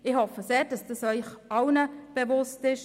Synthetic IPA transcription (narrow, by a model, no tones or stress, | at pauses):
ɪhɔfəseːd̥ɑsd̥ɑsœʏχɑwnəb̥evʊstɪʃ